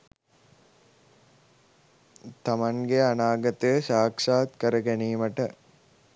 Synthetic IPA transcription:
t̪amaŋɡeanaːɡət̪əjəʃaːkʂaːt̪kəɾəɡæniːməʈə

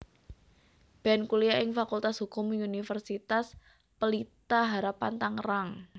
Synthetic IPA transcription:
b̥ɛnkuliaʔɪŋfakult̪asɦukʊmiunifərsit̪as | pəlit̪aɦaɾapant̪aŋraŋ

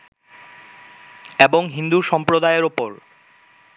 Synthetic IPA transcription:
eboŋɦind̪uʃɔmpɾod̪aeɾopoɾ

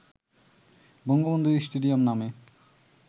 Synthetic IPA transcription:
bɔŋɡobond̪ʱuɾisʈuɖijomname

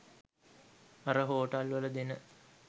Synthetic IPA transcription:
aɾəɦoːʈɐlʋələd̪enə

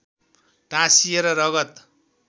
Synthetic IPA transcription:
ʈãsieɾʌɾʌɡʌt̪

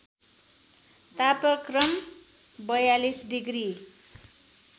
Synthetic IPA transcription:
t̪apʌkrʌm | bʌjalisɖiɡri

